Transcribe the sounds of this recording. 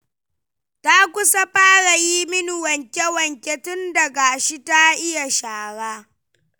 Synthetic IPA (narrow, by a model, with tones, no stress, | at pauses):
ta˦kʷʊ˦sa˦ɸaː˦ɽa˨jiː˦mɪ˦nu˨wɐ˨ŋkʲɛ˦wɐ˨ŋkʲɛ˦tʊ˦ndɐ˨ɡa˨ʃi˦ta˦ʔɪ˦ja˨ʃaː˨ɽaː˦